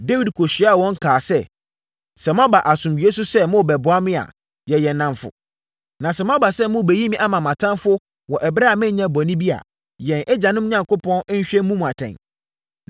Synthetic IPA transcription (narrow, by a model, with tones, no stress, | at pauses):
de˦wi˨dkʰo˨ɕi˨˦a˦˨wɔ̃˦ŋ˦kʰaː˨sɛ˦ | sɛ˨m˦a˦ba˨ʔa˨sʊ̃˨mɥi˨e˦sʊ˦sɛ˦mʊ̃˦˨bɛ˨bʊ˨˦a˦mɪ̃˦a̰˨ | jɛ˨jɛ˨nnːã˦mfʊ̰˨ | nã˨sɛ˨m˦a˦ba˨sɛ˦mʊ̃˦˨be˨ji˦mĩ˦ʔa˦mã˨mã˨tʰã˦nfʊ˦ | wɔ˨ʔɛ˨bɾa˦a˨mɪ̃˦ɲã˦bɔ˨nĩ˦bi˦a̰˨ | jɛ̃˨nʔɛ˦d͡ʑã˨nʊ̃˦m˦ɲã˨ŋkʊ˦pʰɔ̃˦n˦ɲ̩˦ɕᶣɛ̃˦mũ˦mũ˨a˨tʰɛ̰̃˨n